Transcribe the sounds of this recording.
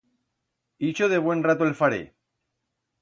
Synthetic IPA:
it͡ʃoðeβ̞we̞nrat̪oelfaɾḛ

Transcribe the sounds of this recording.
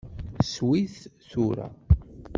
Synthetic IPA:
swiθθuɾa̰

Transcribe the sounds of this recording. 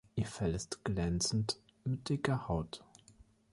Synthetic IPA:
ʔiːɐfɛlɪstɡ̥lɛnt͡sn̩t | mɪt̚d̥ɪkɐhaʊt

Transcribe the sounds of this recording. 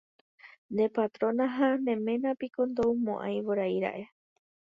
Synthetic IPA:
nd̪epat̪ɾõ̞nãɦanẽ̞mẽ̞nãpikond̪owmõʔã̰j̃ʋoɾajɾa̰ʔe̞

